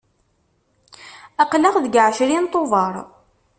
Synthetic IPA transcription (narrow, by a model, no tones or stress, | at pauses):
æqləʁðəɡʕʃɾint̪ˤːovɑɾˤ